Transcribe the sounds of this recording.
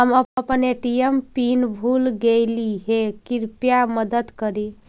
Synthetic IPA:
ɦəməəpneʈijəmpinbʱulɡeliɦekiɾpijaməd̪əd̪kəɾi

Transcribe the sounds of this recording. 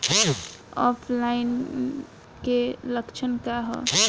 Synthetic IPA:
ɔ̰pʰlain | keləkt͡ʃʰənkaɦɔ̰

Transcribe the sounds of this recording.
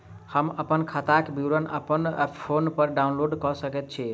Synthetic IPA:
həməpənkʰat̪akbiɾənə̰pənpʰonpəɾɖaunloɖkɔsəkɛt̪̚t͡ʃʰi

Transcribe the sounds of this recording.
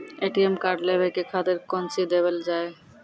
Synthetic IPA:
eʈiemkaɾɖlebekekʰad̪eɾkɔnsid̪eβeld͡ʑae

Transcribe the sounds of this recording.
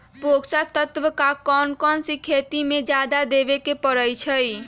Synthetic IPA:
poksat̪ət̪ʋəkakɔnkɔnsikʰet̪imed͡ʒad̪ad̪ebekepəɾəjt͡ʃʰəj

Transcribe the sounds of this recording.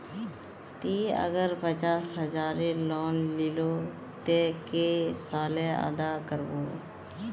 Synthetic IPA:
t̪iːə̰ɡəɾpət͡ʃaːsɦəzaːɾelɔːnlɪloː | t̪eːkesaːleə̰d̪aːkəɾboː

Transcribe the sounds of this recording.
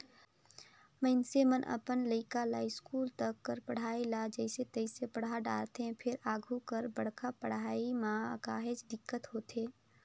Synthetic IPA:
məɪnsemənʔə̰pənləɪkala̰ːɪskuːlt̪əkːəɾpəɽ̤aːelad͡ʒəɪset̪əɪsepəɽ̤aɖa̰ːlt̪eɦɛ̃pʰɪɾaːɡʱukəɾbəɽ̤kʰapəɽ̤aːimãkaːɦed͡ʒd̪ɪkːət̪ɦoːt̪eː

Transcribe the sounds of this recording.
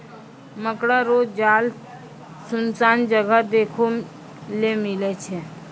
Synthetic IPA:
məkɽaɾoːd͡ʒaːl | sʊnsaːnd͡ʒəɡəd̪eːkʰo | lemɪlet͡ʃʰe

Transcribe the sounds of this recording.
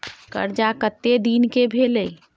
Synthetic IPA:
kə̰ɾd͡ʒakət̪ːed̪inkebʱeːləi

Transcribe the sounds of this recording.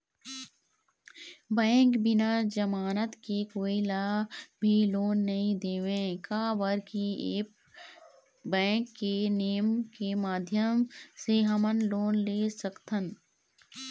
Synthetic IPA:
bɛ̃ːŋkbɪnad͡ʒəmaːnət̪kikoːilabʱiloːnːɐɦĩd̪eːʋẽkaːbəɾkieːp̚ | bɛ̃ːŋkːeneːəmkemaːd̪ʱjəmseɦəmənloːnleːsəkt̪ən

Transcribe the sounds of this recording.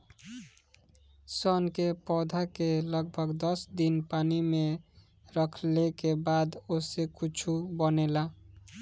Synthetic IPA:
sɔnkepɔd̪ʱakeləɡ̚bʱəɡd̪əsd̪inpanime | ɾəkʰlekebad̪osekut͡ʃʰubənela

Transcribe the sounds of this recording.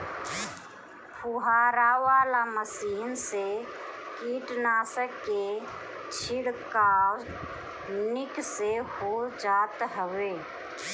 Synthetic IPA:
pʰuɦaːɾawaːlaməsiːnsekiːʈnaːsəkːet͡ʃʰɪɽka | nɪksehod͡ʒaːt̪ɦəweː

